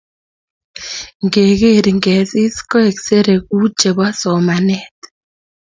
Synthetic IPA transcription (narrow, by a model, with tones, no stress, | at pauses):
ŋɡe˨ɣe˦˨ɾi˨ŋɡɛ˨si˦skɔ˦e˨kse˦ɾe˨ku˦t͡ʃe˨βa˦sɔ˨ma˨nɛ˦t